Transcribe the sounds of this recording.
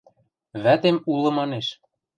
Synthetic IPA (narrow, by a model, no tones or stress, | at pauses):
βæt̪emulɤ̆mɑneʃ